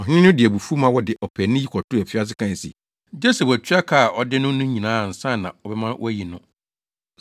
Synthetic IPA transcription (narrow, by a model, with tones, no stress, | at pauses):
ɔ˨ɦᶣɪ˦nɪ̃˦nʊ̃˦dɪ˨æ˨bu˨fu˦mã˦wɔ˦dɪ˨ʔɔ˨pʰɛ˨nʊ̃˦ji˦kʰɔ˨tʰʊ˦æ˨fi˦a˦s̬ɪ˦kʰã˦n˨sḭ˨ | d͡ʑe˦se˨bæ˨t͡ɕʰᶣɥa˦kʰa˦˨ʔɔ˦dɪ˦nʊ̃˦nʊ̃˦ɲĩ˨nãː˨˦˨n̩˨sã˦˨nã̰˨ɔ˨bɛ˦mã˦wʔɔ̰˦æ˦ji˨nʊ̃˦